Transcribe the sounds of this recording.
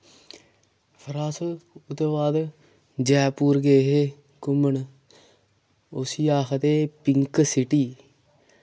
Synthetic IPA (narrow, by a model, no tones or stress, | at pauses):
pʰəɾaːsəlʊt̪eʋaːd̪ | d͡ʒɛːpuːɾɡeːɦeː | kʊməɳ | osiːaːxʰt̪eːpɪŋksɪʈiː